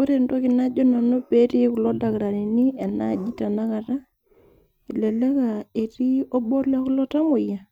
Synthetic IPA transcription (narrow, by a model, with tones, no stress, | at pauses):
o˦ɾe˨ndo˦ki˨na˦d͡ʒo˦na˨no˦pe˦ti˦ku˨lɔ˦da˨kɾa˨ni˨ni˦e˨na̰˦˨d͡ʒi˦ta˨na˦ka˨ta˦ | i˨le˨le˦ka˨e˨ti˦o˦bɔ˦la˦ku˦lɔ˦ta˦mo˨ja˨